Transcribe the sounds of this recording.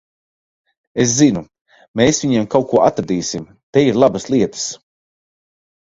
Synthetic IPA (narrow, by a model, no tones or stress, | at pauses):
es̬zinu | meːsviɲiɛmkawkuɔat̪ɾad̪iːsim | t̪ɛiɾlˠabəslˠiɛt̪ə̥s